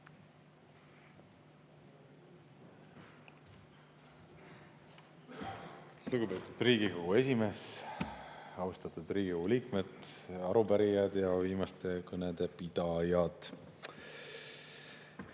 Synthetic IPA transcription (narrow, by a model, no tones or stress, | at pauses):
luɡ̥ube̞ːt̪ːˑud̪̥riːɡ̥iko̞ɡ̥ue̞sʲime̞s | ɑwst̪ɑt̪ud̪riːɡ̥iouliːkmed̪ɑɾupæɾijɑd̪̥jɑviːmɑst̪ʰe̞kɤned̪̥e̞pid̪ɑjɑd̪̥